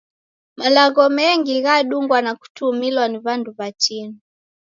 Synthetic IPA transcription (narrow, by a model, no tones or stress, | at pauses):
malaɣɔmɛŋɡiɣaɗuŋɡwanaku̥tumilwaniβanduβat͡ʃinu